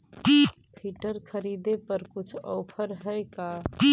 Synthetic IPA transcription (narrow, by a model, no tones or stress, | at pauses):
pʰiʈəɾkʰəɾid̪epəɾkut͡ʃʰɔ̰pʰəɾɦəjka